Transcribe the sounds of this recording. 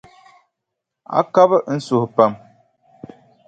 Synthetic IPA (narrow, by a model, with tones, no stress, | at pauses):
a̰˦ka˦bə˦n̩˦su˨hpa˦m